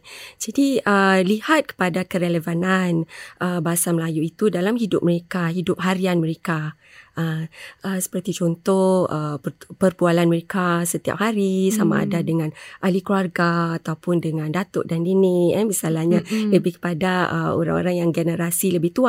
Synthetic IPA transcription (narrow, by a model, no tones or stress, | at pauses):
d͡ʒadiəlihat̪̚kə̥padakəɾeləvananʔəbaɦasaməlajuit̪udalamɦidʊp̚məɾekaɦidʊp̚ɦaɾianməɾeka | ʔəʔəsə̥pərt̪it͡ʃɔnt̪ɔhəpərpualanməɾekasət̪ia̰p̚haɾisama̰ʔːdadəŋãnʔalikluarɡaːt̪awpʊndəŋãndat̪ʊ̰ʔ̚dandinɪəmisalahɲaləbɪhkə̥padaə̰o̰ɾa̰ŋo̰ɾaŋjaŋɡənəɾasiləbɪht̪ua